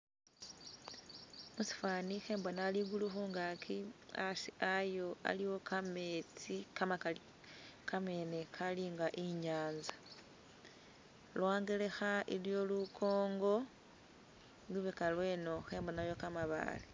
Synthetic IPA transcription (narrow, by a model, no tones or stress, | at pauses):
musi̥fwaːnixe̞ːmbonaliɡuluxuŋɡakʰiasiajo̞a̰liwo̞kamet͡sikama | kame̞ne̞kaliŋɡaʔiɲaːnza | lwaːŋɡele̞xaʔiljo̞lukʰo̞ːŋɡo̞ | luβekalwe̞ːno̞xe̞ːmbonajo̞kamaβa̰li